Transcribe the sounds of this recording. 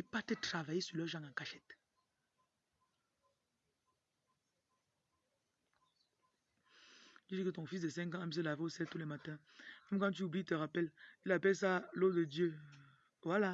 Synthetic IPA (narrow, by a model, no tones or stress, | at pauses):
ipatətʁavajesylœʒãŋãkaʃɛt | iikətɔ̃fis̬dəsɛ̃ŋkãamis̬əlaveosɛltulɛmatɛ̃ | mɛmkãt̬yublitəʁapɛlilapɛls̬alodədjø | wala